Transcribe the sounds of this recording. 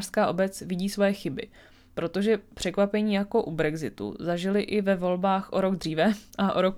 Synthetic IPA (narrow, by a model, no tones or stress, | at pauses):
r̥skaːʔo̞bɛt͡svɪɟiːsvojɛxɪbɪ̰ | pɾo̞t̪o̞ʒɛpr̥ɛkvapɛɲiːjako̞ʔubɾɛɡzɪt̪ṵzaʒɪlɪʔɪvɛvo̞lbaːxʔo̞ɾo̞ɡd̪riːvɛʔaʔoɾok